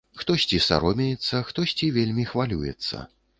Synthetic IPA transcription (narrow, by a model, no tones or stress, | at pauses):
xt̪ɔsʲt͡sʲisa̰ɾɔmʲɛjɛt̪sːɐxt̪ɔsʲt͡sʲivʲelʲmʲixvalʲujɛ̰t̪sːɐ̰